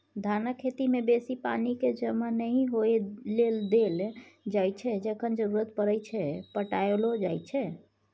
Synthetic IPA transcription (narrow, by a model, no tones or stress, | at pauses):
d̪ʱanəkʰːet̪imebesipaniked͡ʒəmanəĩɦojeleld̪eld͡ʒajt͡ʃʰɛd͡ʒəkʰənd͡ʒəɾuɾət̪pəɾəjt͡ʃʰɛpəʈajelod͡ʒajt͡ʃʰɛ